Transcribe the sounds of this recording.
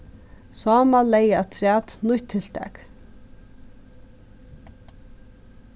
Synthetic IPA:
saːmalɛjat̪ʰɾæːt̪nʊçt̪ʰːɪl̥t̪ʰɛ̰k

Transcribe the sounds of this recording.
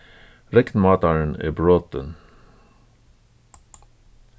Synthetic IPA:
ɾɛknmɑːt̪ɑɹənḛːbɹoːt̪ən

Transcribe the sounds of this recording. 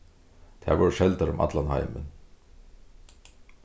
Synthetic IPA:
t̪ʰæ̰ːʋɔːɹʃɛlt̪aɾʊmʔa̰t̪lanha̰ɪmə̰n

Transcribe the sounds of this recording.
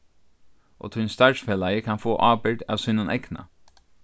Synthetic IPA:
ʔɔ̰ːt̪ʰʊnst̪aɹsfeːlajəkʰanfoːʔaːpɪɹɖ̪a̰ːʋsʊːnʊnʔɛ̰kna̰

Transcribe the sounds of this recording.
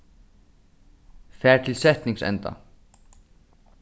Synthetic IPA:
fɛːɾ̥t̪ʰɪlsɛht̪niŋsɛ̰nt̪a̰

